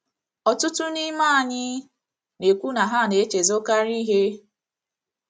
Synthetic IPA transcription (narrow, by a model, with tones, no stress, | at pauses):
ɔ˨tʊ˦tʊ˦ni˦ma˦a˨ɲɪ˦ | ne˨kʷu˦na˨ɦa˦˨ne˨e˦t͡ʃe˨zo˦ka˦ɾi˦ɦe˦